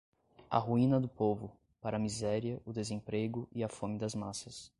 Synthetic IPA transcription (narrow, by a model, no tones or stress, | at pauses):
ɐ̰ɦuĩnɐd̪ʊpovʊ | paɾɐmizɛɾiɐʊd̪ezẽpɾeɡʊʔiɐfõmɪd̪ɐzmasɐs